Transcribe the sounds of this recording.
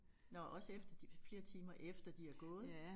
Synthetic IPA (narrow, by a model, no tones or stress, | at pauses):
nɒʔɒ̽sefd̥ɐd̥ifle̝ːɐt͡sʰiːmɐʔefd̥ɐd̥iæɐɡ̥ɔ̽ːð̩ˠ